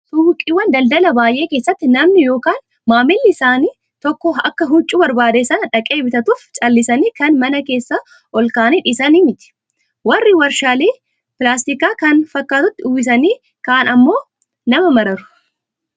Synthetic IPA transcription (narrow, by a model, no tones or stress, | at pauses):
t̪ʊwkʼɪwːɐnd̪ɐld̪ɐlɐbaːjʔe̞ːkeːsːɐt̪ːɪnɐmnɪjo̞ːkaːn | maːmɪlːɪɪsaːniː | t̪ɔkːɔɐkːɐɦʊt͡ʃʼːuːbɐɾbaːd̪esɐnɐᶑɐkʼe̞ːbɪt̪ɐt̪uːft͡ʃʼɐlːɪsɐniːkɐnmɐnɐke̞ːsːɐ | ʔɔlkaːniːᶑɪsɐnimɪt̪ɪ̥ | wɐrːɪwɐɾʃaːleː | pɪlaːst̪ɪkaːkɐnfɐkːaːt̪ʊt̪ːɪʊwɪs̬ɐniː | kaːnɐmːo̞ː | nɐmɐmɐɾɐɾʊ̥